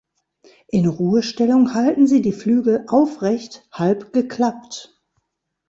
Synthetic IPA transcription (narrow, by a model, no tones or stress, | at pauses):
ʔɪnʁuːəʃtɛlʊŋhaltn̩ziːdiːflyːɡl̩ʔaʊfʁɛçthalpɡ̥əkʰl̥apt